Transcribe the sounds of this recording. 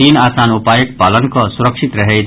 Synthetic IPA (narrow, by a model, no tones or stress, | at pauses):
iːnaːsaːnupaːjək̚paːlənkɔsʊɾəkʃit̪ɾɐɦɛ